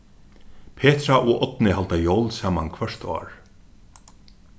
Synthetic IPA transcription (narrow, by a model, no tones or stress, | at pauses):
pʰeːt̪ɾaʔʊʔɔt̪nɪɦalt̪ajɔwlsaːmankʰvœʂt̪ɔ̰ːɹ